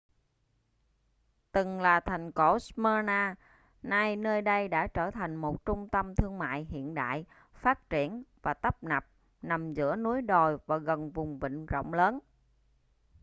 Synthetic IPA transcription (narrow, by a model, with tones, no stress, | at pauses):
t̪ɨ˨˩ŋlaː˨˩t̪ʰa˨˩jŋ̟ko˧˩sməː˧naː˧ | na˧jnəː˧jɗə˧jɗa̰ː˧˥t͡ɕəː˧˩t̪ʰa˨˩jŋ̟mo˨˩t̚t͡ɕʊ˧ŋ͡mt̪ə˧mt̪ʰɨ˧əŋma̰ː˧˨jɦḭ˧˨ənɗa̰ː˧˨j | faː˦˥t̚t͡ɕi˧˩ənvaː˨˩t̪ə˦˥p̚na˨˩p̚ | na˨˩mzɨ̰˧˥ənu˨˦əjɗo˨˩jvaː˨˩ɣə˨˩nvʊ˨˩ŋ͡mvḭ˧˨ŋ̟zo̰˧˨wŋ͡mləː˨˦n